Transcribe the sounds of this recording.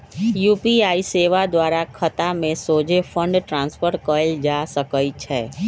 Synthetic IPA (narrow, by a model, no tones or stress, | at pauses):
juːpiaːiseːʋad̪waːɾakʰət̪amẽsoːd͡ʒefʰə̃ɳɖʈɾãːnspəɾkəd͡ʒaːsəkəit͡ʃʰɛː